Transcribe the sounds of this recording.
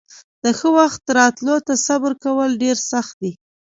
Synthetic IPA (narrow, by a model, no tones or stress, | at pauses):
d̪̥əxəwaxt̪ɾɑt̪lot̪asabəɾkawəlɖeɾsaxt̪̚d̪i